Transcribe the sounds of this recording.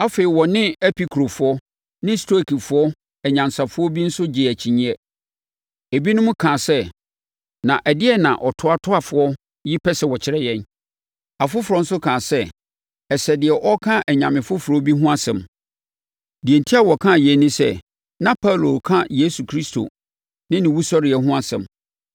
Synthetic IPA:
a˦fe˨i˨wɔ˨nɪ̃˦ɛ˦pʰi˦kʰɾo˨fʊ˦ɔ˦ | nɪ̃˦stʰo˦˨kʰi˨fʊ˨˦ɔ˦ | ɛ˨ɲã˨nsa˨fʊ˦ɔ˦bi˦n̩˦sʊ˦d͡ʑɪ˨æ˨t͡ɕʰi˨ɲĩ˦ɛ˦ | e˨bi˦nʊ̃˦mʊ̃˦kʰã˨sɛ˦ | nã˨ʔæ˨dɪ˦ɛ˦nã̰˨ʔɔ˨tʰʊ˦a˨tʰʊ˦a˦˨fʊ˨˦ɔ˦ | ji˦pʰɛ˦sɛ˨wɔ˨t͡ɕʰɪ˦ɾɛ˦jɛ̃˦n | a˨fʊ˦fʊ˨ɾɔ˦n̩˦sʊ˦kʰã˨sɛ˦ | ɛ˨sɛ˨dɪ˨ɛ˨ʔɔ˦kʰã˦ʔɛ˨ɲã˨mɪ̃˨fʊ˦fʊ˨ɾɔ˦bi˦ɦʊ̃˦a˦sɛ̃˨m | di˨ɛ˨ntʰi˦a˦˨wɔ˨kʰã˦˨jɛ˨˦nːɪ̃˦sɛ˦ | nã˦pʰa˦˨lo˨kʰã˦je˦su˨kʰɾi˦stʰo̰˨ | nɪ̃˦nɪ̃˨wu˦sɔ˦ɾɪ˨ɛ˨ɦʊ̃˦a˨sɛ̰̃˨m

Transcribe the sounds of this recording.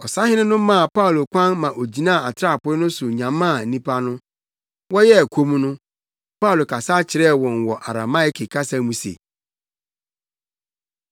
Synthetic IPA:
ɔ˨sa˦hɪ̃˦nɪ̃˦nʊ̃˦mã˦a˨pa˦u˨lo˨kʷã˦nmã˨ʔo˨d͡ʑi˨nã˦a˨a˨tʰɪ˦ɾa˦˨pʊ˦ɪ˦nʊ̃˦sʊ˨ɲã˨mã˦a˨n̩˨nĩ˦pʰa˦nʊ̃˦ | wɔ˦jɛ˦æ˨kʷʰo˦mũ˦nʊ̃˦ | pa˦u˨lo˨kʰa˨sa˦t͡ɕʰɪ˨ɾɛ˦˨wɔ̃˨n˨wɔ˨ʔa˨ɾa˨ma˦ɪ˨kʰe˨kʰa˦sã˦mũ˦sḛ˨

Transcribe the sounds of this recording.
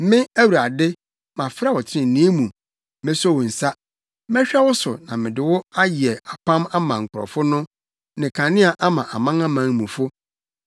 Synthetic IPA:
mɪ̃˦æ˦wu˨ɾa˨dɪ˦ | mã˨fɾa˦˨wɔ˨t͡ɕʰɪ˦ɪ̃˨n̩˨nĩ˦mũ˨ | mɪ̃˦sɔ˦˨wʊ˨n̩˨sa˦ | m˦ɛ̃˦ɕᶣɛ˦wʊ˦sʊ̰˨nã˨mɪ̃˨dɪ˨wɔ˦a˦ji˨ɛ˨a˨pʰã˦ma˦mã˨ŋ̩˨kʰʊ˨ɾɔ̰˨fʊ˦nʊ̃˦ | nɪ̃˨kʰã˨nɪ̃˦a˨ʔa˦mã˨ʔa˨mã˦ŋã˦mã˨˦ŋmũ˨fʊ˦

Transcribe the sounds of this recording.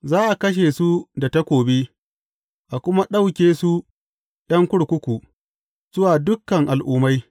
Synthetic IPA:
zaː˦ʔa˨kɐ˦ʃ̬eː˨su˦da˨ta˦kʷoː˨be˦ | ʔa˨kʷʊ˦ma˦ɗa˦wkʲeː˨su˦ | j̰ɐ˦ŋkʷʊ˦ɽkʷʊ˦kʷu˨ | z̥ʊ˦waː˨dʊ˦kːɐ˨ŋʔa˨lʔuː˦ma˦j

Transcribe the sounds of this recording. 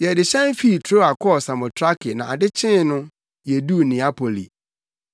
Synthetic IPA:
jɛ˨dɪ˨ɕɛ̃˦n˦fi˦˨tʰo˦a˨kʰɔ˦˨sa˨mɔ̃˨tʰɾa˦kʰɪ˨nã˨a̰˨dɪ˦t͡ɕʰɪ̃˦nʊ̃˦ | jɛ˨du˦˨nĩ˨a˦pʰo˨lḭ˨

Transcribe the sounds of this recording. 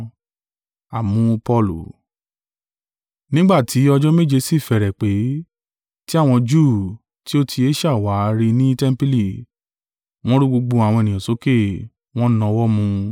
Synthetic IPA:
a˨mũ˨˦pɔ˦˨lṵ˨ | nĩ˦ɡ͡ba˦˨tʰi˨˦ɔ˧d͡ʒɔ˦me˦˨d͡ʒe˧si˦˨fɛ˨ɾɛ˨k͡pe˨˦ | ti˦a˦˨w̃ɔ̃˧d͡ʒu˦˨ | ti˦o˦tʰi˧e˦ʃa˦˨wa˨˦ɾi˧nĩ˦tɛ˦m̩˦pi˦li˦˨ | w̃ɔ̃˦ɾu˦ɡ͡bo˧ɡ͡bo˧a˨w̃ɔ̃˧e˨nĩ˨ã˨so˨˦ke˦˨ | w̃ɔ̃˦nã˧wɔ˦mũ˧

